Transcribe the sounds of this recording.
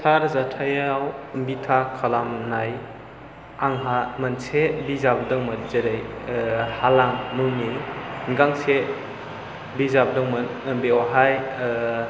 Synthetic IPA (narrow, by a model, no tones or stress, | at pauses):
tʰaɾzatʰajawmbitʰakʰalamnaj | aŋɦamansebizabdɔŋmatzeɾejhalamːɯŋijŋɡaŋse | bizab̚dɔŋmɯnɯmbiɔɦaj